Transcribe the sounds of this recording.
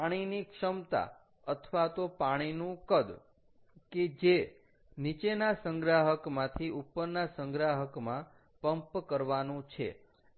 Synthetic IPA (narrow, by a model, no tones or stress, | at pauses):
aɽ̃inikʃəmt̪a̰ | ət̪ʰʋat̪opaɽ̃inũkəd̪ | ked͡ʒe | nit͡ʃenasəŋɡɾaɦəkmãt̪ʰiʔupːəɾnasə̃ŋɡɾaɦəkmã | pəmpkəɾʋanũt͡ʃʰḛ